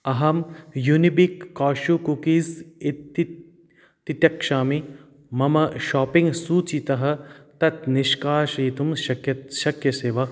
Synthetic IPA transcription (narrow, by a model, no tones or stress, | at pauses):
ɐɦɐmjunibikːaːʃukukiːzit̪ːi | t̪it̪jɐkʂaːmi | mɐmɐʃɔːpiŋɡsuːt͡ʃit̪ɐɦɐ̆t̪ɐt̪niʃkaːʃiːt̪umʃɐkjɐʃɐkjɐseːʋɐ